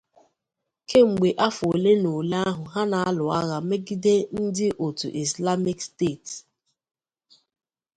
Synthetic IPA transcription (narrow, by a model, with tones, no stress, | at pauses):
ke˦ŋ͡m̩˨ɡ͡be˨ʔa˦fo˨le˦no˨la˦ɦʊ˨ɦa˦na˨a˦lʊ˨a˦ɣa˨me˦ɡi˦de˦n̩˦dɪ˦ʔo˨tṵ˨ʔi˨sla˦mi˦kste˦˨t